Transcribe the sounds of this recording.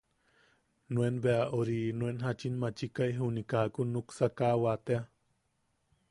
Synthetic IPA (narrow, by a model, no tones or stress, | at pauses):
nuenbeaʔoɾinuenɦat͡ʃinmat͡ʃikajɦunikakunuksakawat̪ea